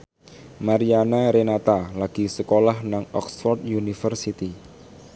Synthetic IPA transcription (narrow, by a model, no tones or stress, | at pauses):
maɾianaɾenat̪alaɡ̥i̤səkolahnaŋɔksfɔrt̪junifərsit̪i